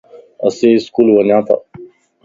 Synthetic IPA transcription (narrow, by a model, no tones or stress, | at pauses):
ɐ̰seːskuːlʋənãːt̪ʰa̰ː